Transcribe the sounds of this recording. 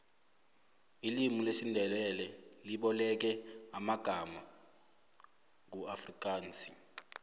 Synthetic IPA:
ilimulesindʱɛlɛlɛliɓɔlɛk̬ɛamaɡ̥ʱama | k̬uafrik̬ʼaːnsʼi̥

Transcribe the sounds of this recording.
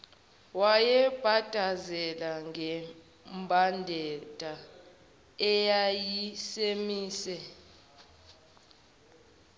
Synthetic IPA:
wajɛb̥ʱad̥ʱazɛlaŋʱɛ | mbʱandʱɛd̥ʱʼa | ɛjajisemiːsɛ

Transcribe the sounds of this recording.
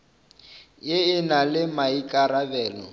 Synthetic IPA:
jɪɪnalɪmaikʼaɾabɛːlɔ̰

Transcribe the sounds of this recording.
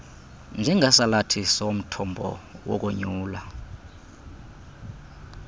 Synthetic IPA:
nd͡ʒʱɛŋʱasalatʰisom̩tʰɔmbʱɔ̰wɔ̰k̬ʼuɲuːla

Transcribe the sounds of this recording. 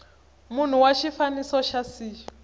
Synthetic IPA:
mun̤uwaʃifanisɔʃasiːɔ

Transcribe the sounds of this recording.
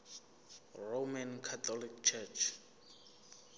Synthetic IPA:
romankʰat̪ʰɔlik̚t͡ʃʰɛt͡ʃʰ

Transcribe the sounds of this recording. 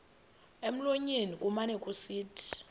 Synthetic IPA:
em̩loɲenikʼumanɛkʼusiːtʰi̥

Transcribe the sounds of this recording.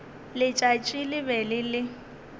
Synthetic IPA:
lɪt͡ʃʼat͡ʃʼilɪbɛlɪlɪ

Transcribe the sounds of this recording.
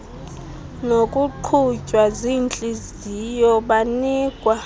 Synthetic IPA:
nokʼuǃʰut͡ʃʼwazint͡ɬʼiz | ijɔɓaniːkʼwa

